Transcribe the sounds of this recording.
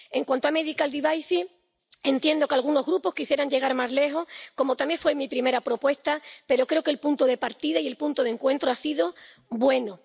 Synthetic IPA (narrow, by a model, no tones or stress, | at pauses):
e̞ŋkwant̪oame̞ðikald̪iβajsi | e̞nt̪je̞nd̪o̞kalɣ̞uno̞zɣɾupo̞skisje̞ɾaɲd͡ʒe̞ɣaɾmazle̞xo̞hko̞mot̪amje̞ŋfwemipɾime̞ɾapɾo̞pwe̞st̪ape̞ɾo̞kɾe̞okelpunt̪oðe̞paɾt̪iðaie̞lpunt̪oðe̞ŋkwẽ̞nt̪ɾoasiðo | bwe̞no